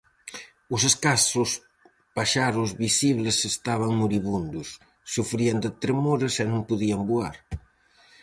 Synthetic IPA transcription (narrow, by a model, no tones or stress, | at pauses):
ʊs̬eskasʊs | paʃaɾʊzβisiβlesest̪aβ̞aŋmuɾiβund̪ʊsː | ufɾiand̪et̪ɾemoɾesɛnõŋpuðiaŋbua̰ɾ